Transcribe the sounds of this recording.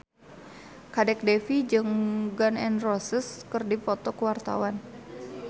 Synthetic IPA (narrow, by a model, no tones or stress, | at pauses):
kadɛk̚dɛfid͡ʒɨŋɡanɛnrɔsəskɨrdipɔt̪ɔkəwart̪a̰wan